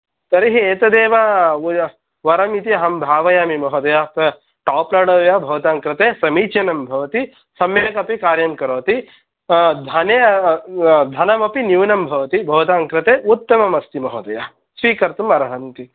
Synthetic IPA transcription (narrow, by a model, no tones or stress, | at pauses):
t̪ɐɾiɦieːt̪ɐd̪eːʋa | ʋɐɾɐmit̪iɐɦɐmbʱaːʋɐjaːmimɐɦɐd̪ɐjapɐ | ʈaːplaɽoːʋjaːbʱɐʋɐt̪aːŋkɾɐt̪eːsɐmiːt͡ʃjɐnɐmbʱɐʋɐt̪i | sɐmjeːkɐpikaːɾjɐmkɐɾoːt̪i | d̪ʱɐneː | d̪ʱɐnɐmɐpinjuːnɐmbʱɐʋɐt̪ibʱɐʋɐt̪aːŋkɾɪt̪eːut̪ːɐmɐmɐst̪imɐɦɐːd̪ɐja | sʋiːkɐɾt̪umɐɾɐɦɐnt̪i